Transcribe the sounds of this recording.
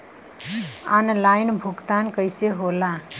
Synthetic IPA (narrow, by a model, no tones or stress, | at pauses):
anlajnbʱukt̪ankəɪjseɦola